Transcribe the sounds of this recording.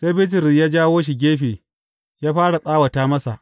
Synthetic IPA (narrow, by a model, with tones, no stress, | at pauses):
seː˦bɪ˦t̬ɪ˨ɾjaː˦d͡ʒaː˦woː˦ʃ̬i˨ɡʲeː˦ɸeː˨ | jaː˦ɸaː˦ɽa˨sʼaː˦wɐ˨taː˦mɐ˦sa̰˨ʔ